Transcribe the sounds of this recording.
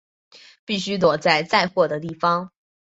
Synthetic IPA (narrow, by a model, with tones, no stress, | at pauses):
pi˥˩ɕy˥t̪̬wɔ˨˩t͡sa˥˧ɪt͡sa˥˧ɪxwɔ˥˩d̪ə˩t̪i˥˩fɑ˥ŋ